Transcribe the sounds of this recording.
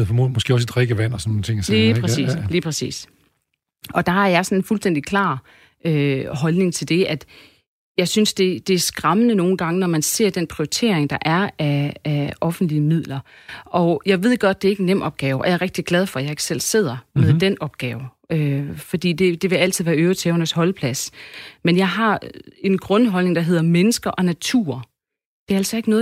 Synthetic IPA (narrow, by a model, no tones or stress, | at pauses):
ð̩̰ˠfɒmomɒ̽sɡ̥e̝ːɒ̽sed̥ʁeɡ̥əʋæn̰ɒsɒnːont͡sʰe̝ŋjɐsipʁɛḭːsliːpʰɛsḭːs | ɒ̽d̥ɑ̈hɑ̈jɑ̈ɪsɒ̽nenfulsd̥en̰d̥ikʰlɑ̰̈ː | ʔøɦɒ̽lne̝ŋt͡sʰe̝ld̥e̝ʔæd̥ | jɑ̈ɪsynsd̥e̝d̥e̝æɐsɡ̥ʁɑ̈mənəno̝ːn̩ɡ̥ɑ̈ŋənɒmænse̝̰ɐ̰d̥enpʰʁioit͡sʰe̝̰ɐeŋd̥ɑ̈ʔæɐæːʔɒ̽fn̩d̥liəmið̰ˠlɐ | ʔɒ̽jɑ̈ɪʋe̝ð̰ˠɡ̥ɒ̽d̥̚ːe̝ɐe̝ɡ̥enːem̰ɒ̽b̥ɡ̥ɛːʊʔɒjɑ̈ɐʁɛɡ̥̚d̥iɡ̥læð̞ˠfɒ̽jɑ̈e̝ɡ̥sel̰se̝ð̞̰ˠɐmeðˠd̥enɒ̽b̥̚ɡ̥ɛːʊ | øfɒ̽d̥ḭːd̥e̝d̥e̝ʋe̝æl̰t͡sʰiðˠʋæɐøʊt͡sʰɛːʊnɐshɒ̽lpʰlæsmenjɑ̈ɪɦɑ̈e̝nɡ̥ʁɔ̽nɦɒ̽lne̝ŋd̥ɑ̈ɦe̝ð̰ˠɐmenəsɡ̥ɐʔɒ̽næt͡sʰṵɐ | d̥e̝æɐælsɒ̽e̝ɡ̥ənɔ̽ːð